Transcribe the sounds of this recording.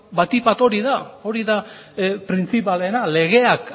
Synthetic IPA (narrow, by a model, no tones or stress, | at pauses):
bat̪ipat̪o̞ɾiðao̞ɾiðapɾint͡sipale̞nale̞ɣ̞e̞ak